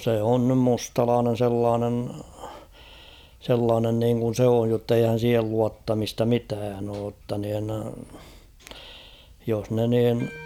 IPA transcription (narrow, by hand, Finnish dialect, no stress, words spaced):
se on nym mustɑlɑːnen̞ selːɑːnen selːɑːnen niːŋkun̞ s oːj jotːeihæn̞ siːhel luɑtːɑmistɑ mitæːn oː tːɑ nin jos ne niːn